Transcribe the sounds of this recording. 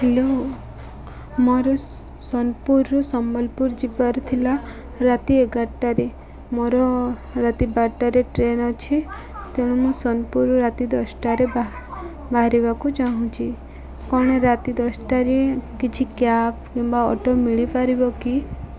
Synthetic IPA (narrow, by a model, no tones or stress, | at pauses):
helo | mɔɾɔ | sɔnpuɾːɔsɔmɔlpuɾd͡ʒipaɾt̪ʰila | ɾat̪ieɡaʈːaɾe | mɔɾɔɾat̪ibaʈːaɾeʈɾenɔt͡ʃʰi | t̪eɽ̃ɔmũsɔnpuɾɔɾat̪id̪ɔsʈaɾeb | bʱaɦɾiβakut͡ʃaɦũt͡ʃʰi | kɔɽ̃eɾat̪id̪ɔsʈaɾekit͡ʃʰikjapkimbaɔ̰ʈomiɭipaɾibɔki